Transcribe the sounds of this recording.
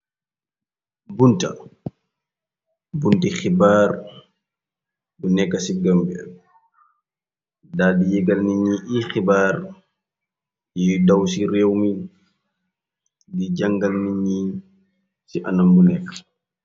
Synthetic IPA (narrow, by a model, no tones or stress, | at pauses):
bunta̰ | buntixibaːɾ | bunɛkːasiɡambɛ | daːdijɛɡalniɲiʔixibaɾ | jidawsiɾewmi | did͡ʒaŋɡalniɲi | siʔanambunɛkːḁ